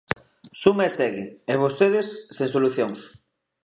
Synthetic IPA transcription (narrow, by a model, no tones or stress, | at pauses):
sumaest̪eɣɪeβ̞ost̪eðesːeŋsoluθjoŋs